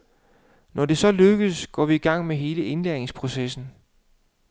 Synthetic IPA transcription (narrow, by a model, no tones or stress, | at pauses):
nʔɒd̥e̝sɒ̽løɡ̥əsɡ̥ɒ̰ːʋiiɡ̥ɑ̈ŋ̰meɦe̝ːləe̝nleɐeŋspʰʁo̝sesn̩